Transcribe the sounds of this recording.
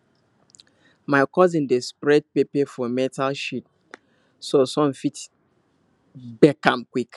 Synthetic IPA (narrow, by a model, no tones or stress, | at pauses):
maɪkɔzĩndespɹɛd̚pepɛfɔmɛtalʃit̚ | sosɔ̃mfit | bɛkãmkwik